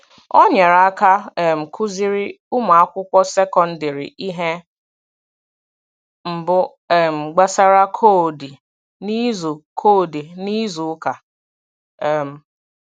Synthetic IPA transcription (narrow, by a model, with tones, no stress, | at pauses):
ɔ˦ɲe˨ɾa˦ka˦˨m̩˨kʰu˦zi˦ɾɪ˦ | ʊ˦ma˨a˦kʷʊ˦kʷɔ˦se˦kɔ˨n̩˦dɪ˨ɾḭ˨ʔi˦ɦe˦ | m̩˨bʊ˦˨ | m̩˨ɡ͡ba˦sa˦ɾa˦kʰo˦˨di˨ | ni˦zu˨kʰo˦˨di˨ni˦zu˨˦ka˨ | m̩˨